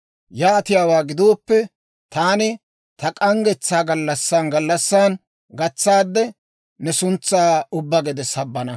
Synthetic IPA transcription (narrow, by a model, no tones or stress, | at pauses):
jaːt̪ɪjaːwaːɡɪd̪oːpːɛ | t̪aːnɪ | t̪ɐkʼɐŋɡɛt͡sːaːɡɐlːɐsːaːnɡɐlːɐsːaːn | ɡɐt͡sːaːd̪ːɛ | nɛsʊnt͡sːaːʊbːɐɡɛd̪ɛsɐbːɐnɐ